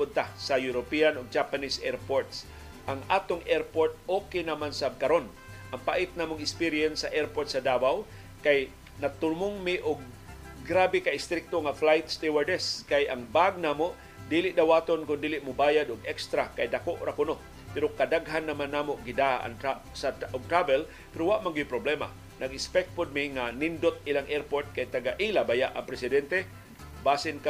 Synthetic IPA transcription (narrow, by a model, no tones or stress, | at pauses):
pʊd̪̚t̪asajʊɾopianoɡ̚d͡ʒapanisʔɛɾpoɹt̪s | ʔaŋʔaːt̪oŋʔɛɾpoɹt̪̚oːkenamansakaɾon | ʔɐŋpa̰ʔɪt̪̚naːmoŋɪspiɾiɛnsːaʔɛɾpoɹt̪sɐd̪aːwaw | kaj | nat̪ʊmʊŋmɪʔʊɡ̚ː | ɾaːbɪkaɪst̪ɾɪk̚t̪oŋaflajt̪st̪iwaɹd̪ɛskajaŋbaɡ̚naːmoʔ | d̪iːlɪʔd̪awaːt̪onkʊnd̪iːlɪʔmʊbaːjad̪ʊɡɛkst̪ɾakajd̪akoʔɾakʊno | pɛɾokad̪aɡɦanːɐmanːaːmoʔɡɪd̪aʔa̰ŋt̪asaʔʊɡ̚t̪ɾabɛl | pɛɾowaʔmaŋɡɪjpɾoblɛma̰ | nɐɡɪspɛk̚t̪̚pod̪̚mɪŋanɪnd̪ot̪̚ɪlaŋʔɛɾpoɹt̪̚kajt̪aɡaʔilabajaʔaŋpɾɛsɪd̪ɛnt̪ɛ | baːsɪnk